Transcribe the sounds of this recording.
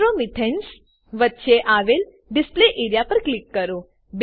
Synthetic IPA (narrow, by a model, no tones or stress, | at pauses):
ɾomit̪ʰens | ʋət̪ːʃeʔaːʋel | ɖɪspleʔeːɾijapɐɾklɪkːəɾo | b